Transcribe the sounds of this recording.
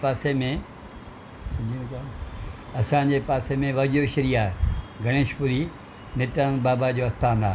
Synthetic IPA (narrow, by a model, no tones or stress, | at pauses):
paːsemẽ | sɐ̃ɲd͡ʑʱimẽka | ɐsãːɲd͡ʑepaːsemẽʋɐd͡ʑoʃəɾiaːɦeɡʱɐɽ̃eːʃpuɾi | nɪʈənbaːbad͡ʑoːɐst̪aːnaː